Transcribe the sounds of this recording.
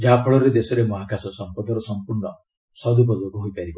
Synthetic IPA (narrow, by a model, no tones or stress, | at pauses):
d͡ʒapʰɔɭɔɾed̪esɔɾemɔɦakasɔsɔmpɔd̪ɔɾɔsɔmpuɾɳɔ | sɔd̪up̬ɔd͡ʒokuɦojpaɾibɔ